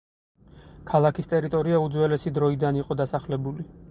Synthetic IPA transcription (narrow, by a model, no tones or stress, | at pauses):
kʰalˠakʰist̪ʼɛɾit̪ʼɔɾiaud̪zwɛlɛsid̪ɾɔid̪aniqʼɔd̪asaχlɛbuli